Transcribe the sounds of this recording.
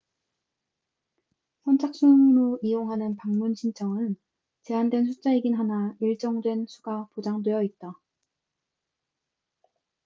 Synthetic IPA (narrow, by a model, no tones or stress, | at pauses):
sʰʌnt͡ɕʰak̚s͈umɾoijoŋɦanɯnpaŋmunɕʰint͡ɕʰʌŋɯn | t͡ɕe̞andwe̞nsʰut͡ɕ͈aiɡinɦanaiɭt͡ɕ͈ʌŋdwe̞nsʰuɡapod͡ʑaŋdwe̞jʌit̚t͈a